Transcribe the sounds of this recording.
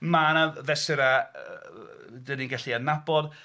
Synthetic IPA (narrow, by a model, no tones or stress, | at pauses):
manavɛsɪɾa | dəninɡaɬianabɔd